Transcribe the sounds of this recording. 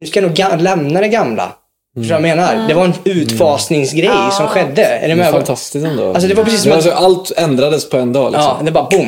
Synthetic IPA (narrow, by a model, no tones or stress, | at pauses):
ɵskanuːɡalɛmnad̪ɛɡamla̰ | fœʂtoːɾajameːnaɾd̪ɛvaɾɛnʉ̟ːt̪fɑːsnɪŋsɡɾɛjsɔmɧɛd̪ːəɛ̰ɾɛmɛft̪ʰast̪ɪst̪ɛnd̪o̰als̬ɔd̪ɛvaɾpʰɾɛsiːsːɔmɔalt̪ɛnd̪ɾad̪əspʰɔɛnd̪ɑ̰ːlɪ̰sːɔmd̪ɛvbɑɾabʊm